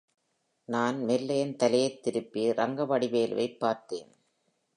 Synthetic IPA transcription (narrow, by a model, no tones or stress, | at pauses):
naːnmɛlːɐjɐnt̪ɐlɐjɐɪt̪ːɪɾɯpːiɾɐŋɡɐʋɐɽɪʋeːlʋʔɐ̰ɪpːaːɾt̪ḛːn